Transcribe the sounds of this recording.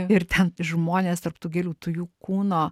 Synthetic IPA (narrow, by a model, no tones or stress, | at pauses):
ɪɾt̪ʲɛnʒmoːnʲeːst̪ɐɾpt̪oːɡʲeːlʲuːt̪ʊjuːkuːnoː